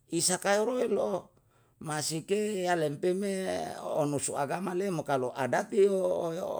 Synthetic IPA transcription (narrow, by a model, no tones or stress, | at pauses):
isakajoɾoelo | masikejalempemeonusuaɡamalemokaloʔa̰dat̪iojo̰